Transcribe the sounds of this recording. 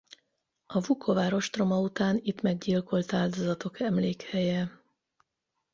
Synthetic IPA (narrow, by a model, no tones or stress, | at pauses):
ɒvukʰovaːɾo̞ʃt̪ro̞mɒut̪aːnit̪mɛɡɟilko̞lt̪aːld̪o̞zɒt̪okɛmleːkhɛjɛ